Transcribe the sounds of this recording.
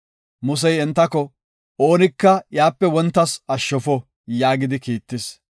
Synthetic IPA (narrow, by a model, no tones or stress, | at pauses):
mʊs̬ɛjɛnt̪ːɐkɔ | o̞ːnɪkːɐjaːpːɛwɔnt̪ːɐsɐʃːɔfɔ | jaːɡɪd̪ɪkiːt̪ːɪs